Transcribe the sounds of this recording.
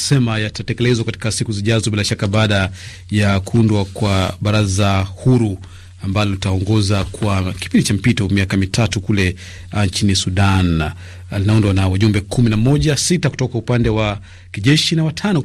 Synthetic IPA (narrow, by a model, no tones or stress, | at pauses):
sɛmajatatɛkɛlɛzwakati̥kasikuziʄazɔbilaʃakaɓaːɗa | jakuundwakwaɓaɾazahuɾu | ambalɔlitaɔŋɡɔzakuaki̥pindit͡ʃam̩pitɔmiakamitʰatukulɛ | nt͡ʃinisuɗan | linaundwanawaʄumbɛkʰuminamɔʄasitaku̥tɔkaupandɛwa | kiʄɛʃinawatʰanɔ